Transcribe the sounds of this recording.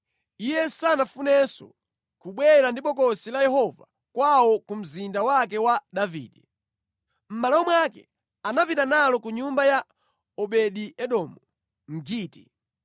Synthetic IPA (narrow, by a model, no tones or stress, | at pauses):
ijɛsanafunɛsɔ̰ | kuɓwɛɾandipɔkɔsilajɛɦɔva̰ | kwawɔkum̩zindawakɛwaɗavḭːɗɛ | m̩malawɔmwakɛ̰ | anapitanalɔkuɲumbaja | ɔɓɛɗiɛɗɔmu | m̩ɡiːti